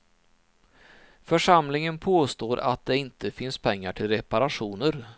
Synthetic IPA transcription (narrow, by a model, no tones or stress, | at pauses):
fœʂamlɪŋənpʰoːst̪oːɾʔa̰t̪̚d̪ɛɪnt̪ʰəfɪnspʰɛŋːaʈʰɪlɾɛpaɾaɧuːnəɾ